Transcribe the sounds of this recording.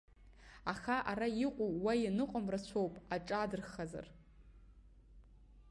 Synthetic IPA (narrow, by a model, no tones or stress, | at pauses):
aχaʔaɾaiqʷʼuwajanɨqʷʼamrat͡ɕʷʰowpʼaʈ͡ʂʼadɨrχaza̰r